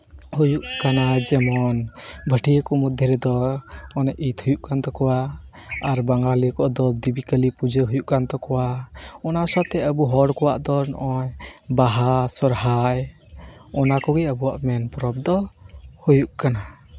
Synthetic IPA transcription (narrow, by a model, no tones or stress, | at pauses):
hujuʔkanad͡ʒɛmɔnbʱəʈʰijəkɔmɔd̪ʱjɔɾɛd̪ɔɔnɛʔit̪hujuʔkant̪ɔkɔwa | aɾbaŋɡalikɔʔd̪ɔd̪ibikəlipud͡ʒəɦujuʔkant̪ɔkɔwaɔnasat̪ɛəbuɦɔɽkɔwaʔd̪ɔnɔ̰ʔɔjbaɦasɔɾɦaj | ɔnakɔɡɛəbuwa̰ʔmɛnpɾɔb̚d̪ɔhujuʔkana